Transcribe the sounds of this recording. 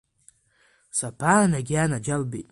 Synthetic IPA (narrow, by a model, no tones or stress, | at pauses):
sapʰanaɡʲianad͡ʒalbejtʼ